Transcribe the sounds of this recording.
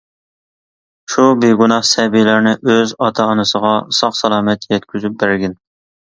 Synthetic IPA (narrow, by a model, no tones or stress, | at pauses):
ʃubeɡʲunɑχsɛbijlæɾnɪʔøzɑt̪ʰɛːnɨsəʁɑsɑχsɑlˠɑːmɛt̪jɛt̪kʲʰyzyp̚bæɾɡʲɪn